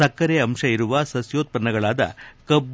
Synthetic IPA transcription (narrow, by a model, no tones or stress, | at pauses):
ɐkːɐɾeɐmʂɐiɾuʋɐsɐsjoːt̪̚pɐnːɐɡɐɭaːd̪ɐ̰kɐb